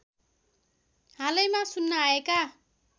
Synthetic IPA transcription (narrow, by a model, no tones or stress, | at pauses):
ɦalʌjmasunːaaeka